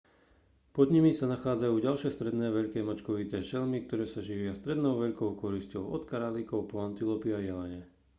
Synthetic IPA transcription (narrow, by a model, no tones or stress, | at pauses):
pɔd̪ɲimisanaxaːd͡zajuːɟalʃɪɛst̪ɾɛd̪nɛːʋɛʎkɛːmat͡ʃkɔʋit̪ɛːʃɛlmik̚t̪ɔɾɛːsaʒiʋɪast̪ɾɛd̪nɔʊʋɛʎkɔʊkɔɾiscɔʊɔt̪kaɾalikɔʊpɔant̪ilɔpiajɛlaɲɛ